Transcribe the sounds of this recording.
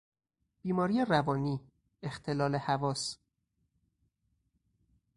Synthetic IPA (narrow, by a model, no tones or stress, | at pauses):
b̥iːmɒːɾiːerævɒːniː | ext̪ʰe̞lɒːle̞hævɒːs